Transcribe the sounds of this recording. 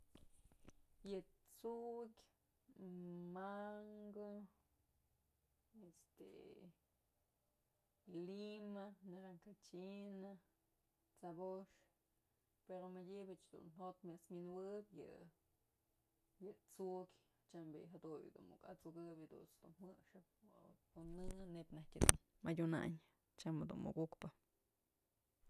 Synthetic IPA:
jɨt͡suʔkʲ | maŋɡɨ | est̪ḛ | limaneɾaŋkat͡ʃina | t͡saboʂ | peɾomadʲibɨt͡ʃd̪ṵnhot̪mʲasmʲinwɨpjɨ̰ | jɨt͡sukʲ | t͡ʃambḭɦad̪uj̰d̪ṵnṵka̰t͡sukɨpɨd̪ṵt͡sd̪unhmɨʔʂɨp̚unːɨnepʲnahtʲad̪ṵn | madʲuna̰ɲ | t͡ʃamad̪ṵnmṵkukpɨ

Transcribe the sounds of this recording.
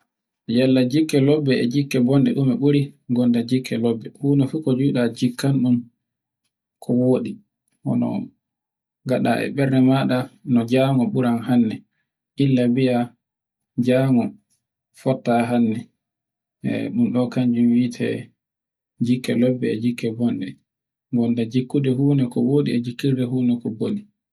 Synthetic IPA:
jɛlːad͡ʒikːɛlɔbːɛːd͡ʒikːɛbɔndɛɗumɛɓuɾiɡɔndɛd͡ʒikʰːɛlɔbːɛhuːnɔfukɔd͡ʒuːɗad͡ʒikʰːanɗum | kʰɔwoːɗi | ʔɔ̰nɔ̰ | ɡaɗa̰ʔɛ̰ɓɛɾɗɛmaɗanɔd͡ʒaːŋɔɓuɾanhanːɛ | ʔilːabia | d͡ʒaːŋɔ | fɔtːaɦanːɛ | ɛ̰ɗumɗɔkaɲd͡ʒumwiːtʰɛ̰ | d͡ʒikːɛlɔbːɛɛd͡ʒikːɛbɔnɗɛ̰ | ŋɡɔndɛd͡ʒikːudɛɦuːnɛkɔwoːɗiɛd͡ʒikːiɾdɛɦuːnɛkɔboli

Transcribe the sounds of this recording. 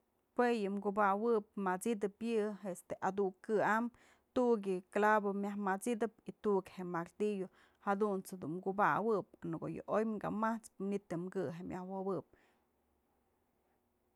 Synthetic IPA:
pwejɨmɡubawɨp̚mat͡sid̪ɨpjɨɦest̪eʔad̪ukɨam | t̪uʔɡ̬jɨklabomjahmat͡sid̪ɨp̚it̪uʔkhemaɾt̪ijo | had̪unt͡sd̪umɡubawɨp̚anɨko̰jɨ̰ʔojmɡa̰maht͡spmɨnit̪ːɨmɡɨɦemjahwɨwɨp̚

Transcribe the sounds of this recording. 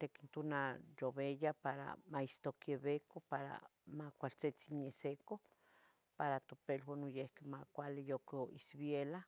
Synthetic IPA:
t̪ekint̪unajoβejapaɾa̰maist̪okjeβekopaɾa̰ | makʷalt͡set͡sinjeseko | paɾat̪opelwonujehkemakʷalejokoisβjela

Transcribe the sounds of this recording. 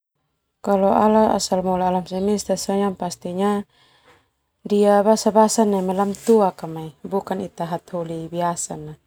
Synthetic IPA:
kalɔʔalaa̰salmɔlaːlamsɛmist̪asɔjaŋpast̪iɲa | diabasabasanamɛlamt̪uakamaibukanit̪aɦat̪hulibiasana

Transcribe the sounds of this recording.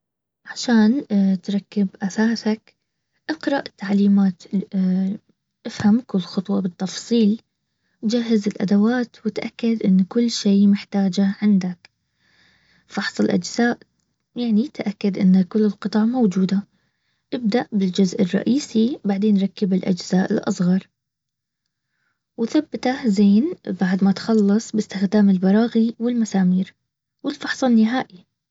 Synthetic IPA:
ʕaʃaːnt̪ɾˤɑkːɪbʔasaːsak | ʔɪqɾɑʔɪt̪ːaʕliːmaːt̪ | ʔɪfhamkʊlːxʊt̪ˤwɑbɨt̪ːɑfsˤiːl | d͡ʒaɦːɪzɪlʔa̰d̪awaːt̪wɪt̪ʔakːad̪ʔɪnːkʊlːʃeːmɪħt̪aːd͡ʒaʕɪnd̪ak | fɑħsˤɨlʔa̰d͡ʒz̥aːʔ | jaʕnit̪ʔakːad̪ʔɪnːkʊlːɪlqɨt̪ˤɑʕmowd͡ʒuːd̪a | ʔɪb̚d̪aʔbɪld͡ʒʊzʔɪrˤːɑ̰ʔiːsibaʕd̪eːnɾˤɑkːɪbɪlʔa̰d͡ʒz̥aːʔɪ̰lʔɑsˤɣɑɾˤ | wɪθabːɪt̪ahzeːnbaʕd̪mat̪xɑlːɨsˤbɪst̪ɪxd̪aːmɪlbɑɾˤɑːɣiwɪlmasaːmiːɾ | wɪlfɑħsˤɑnːɪɦaːʔi

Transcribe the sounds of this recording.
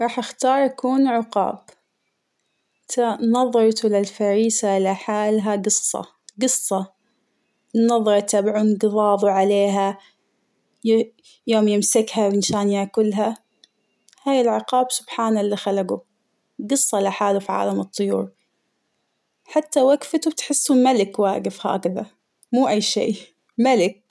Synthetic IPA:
ɾˤɑːħʔaxt̪ɑːɾˤʔakuːnʕʊqɑ̰ːb | t̪ʰanɑðˤɨɾt̪lalfaɾiːsaɪlaħaːlɦaɡɨsˤːɑ̰ | ɡɨsˤːɑ | nːɑðˤːɨɾt̪abʕunɡɨðˤɑːðˤuʕaleːɦa | j | joːmjɪmsɪkhawɪnʃaːnjakʊlːɦa | haːjɪlʕɪqɑːbsʊb̥ħaːnalːixalaɡu | ɡɨsˤːɑlaħaːlufiʕa̰ːlamɨt̪ˤːʊjṵːɾ | ħat̪ːawaɡfat̪ubt̪ħɪsːumalɪkwaːɡɪfha̰ʔaɡða | muːʔajːʃḛː | malɪk̚

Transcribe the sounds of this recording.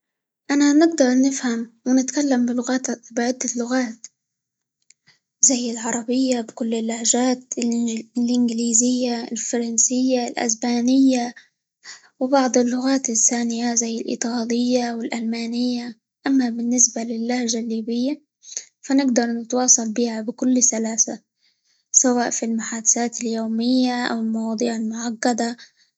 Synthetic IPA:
ʔananɪɡ̚d̪ɑɾˤnɪfhamwɪnɪt̪kalːambɪlʊɣaːt̪bɪʕɪd̪ːalːʊɣaːt̪ | zajːɪlʕɑɾˤɑbɪjːabɪkʊlːɪlːaʕʒaːt̪ | lʔɪnɡɪliːzɪjːaɪlfɑɾˤɑnsɪjːalʔa̰sbaːnɪjːa | wɪbɑʕd̪ˤɪlːʊɣaːt̪ɪθːaːnɪjazajːɪlʔɨ̰t̪ˤɑːlɪjːawɪlʔalmaːnɪjːa | ʔamːabɪnːɪsbalɪlːahʒalːiːbɪjːa | fanɪɡd̪ɑɾˤnɪt̪wɑːsˤɑlbiːhabɪkʊlːsalaːsa | sawaːʔfilmʊħaːd̪asaːt̪ɪljoːmɪjːaʔa̰wɪlmɑwɑːd̪ˤiːʕɪlmʊʕaqːad̪a

